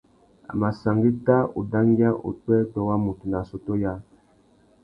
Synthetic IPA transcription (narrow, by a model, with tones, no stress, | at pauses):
a̰˨ma˨sa˨ŋɡi˦ta˦o̰˨da˦ŋɡi˦a˦ʔo̰˨twɛ˦tɔ˨wa˦mu˨tu˨na˨so˨to˦ja˦